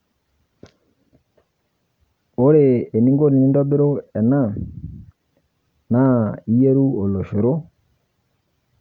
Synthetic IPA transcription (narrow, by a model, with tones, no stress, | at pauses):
o˦ɾeː˨ni˦ŋɡo˦ni˨˦ndɔ˦be˦ɾo˦ɛ˨na˦˨ | na˦i˦je˦ɾu˦o˨lo˨ʃe˨ɾo˦